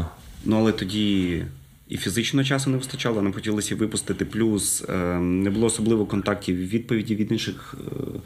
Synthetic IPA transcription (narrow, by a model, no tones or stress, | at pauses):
nuɐlˠɛt̪ɔdʲi | ḭfʲizɪt͡ʃnɔɦɔt͡ʃɑsɔnɛʋɪst̪ɐt͡ʃɑlˠɔnamxɔtʲilˠɐsʲɐʋɪpʊst̪ɪt̪ɪplʲusnɛbʊlˠɔɔsɔblˠɪʋɔkɔnt̪ɑk̚tʲiwʋʲid̪̚pɔʋʲidʲiʋʲid̪nɪnʃɪx